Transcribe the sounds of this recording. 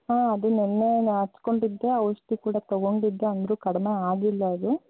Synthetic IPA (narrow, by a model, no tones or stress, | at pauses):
aːɐd̪unɛnːe̞ɐt͡ʃːko̞ɳɖid̪ːe̞ɐʋʂʈikuːɽat̪ɐɡo̞ɳɖid̪ːeɐnd̪ɐɾukɐɽɐme̞aːɡilːɐɐd̪u